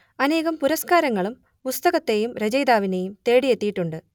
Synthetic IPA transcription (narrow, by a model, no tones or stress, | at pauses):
ɐne̞ːɣɐmpuɾɐskaːɾɐŋːɐɭum | pust̪ɐɣɐt̪ːe̞jumɾed͡ʑɐjd̪aːʋinejumt̪e̞ːɽijet̪ːijiʈːuɳɖɨ